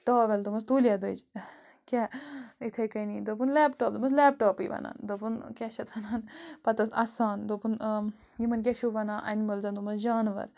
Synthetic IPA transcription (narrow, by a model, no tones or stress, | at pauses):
ʈoːʋɛld̪umɐst̪uːlʲjad̪ɨ̰d͡ʒ | kʲait̪ʰɐjkɐniːd̪opunlɛːpʈoːp̚d̪umɐslɛːpʈoːpḭːʋɐ̰na̰ːnd̪opunkʲaʃɐt̪ʰʋɐnaːnpɐt̪ɐsɐsaːnd̪opun | jimɐnk̬ʲɛʃuʋɐnãːʔɐ̰nimɐlzɐnt̪umɐsd͡ʒaːnʋɐ̰ɾ